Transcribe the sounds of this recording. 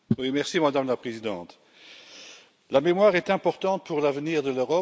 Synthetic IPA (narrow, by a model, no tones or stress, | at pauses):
wimɛʁsimad̪amlapχezid̪ɑ̃t̪ | lamemwaʁɛt̪ɛ̃pɔʁt̪ɑ̃t̪̚puʁlavəniːʁd̪əløʁɔ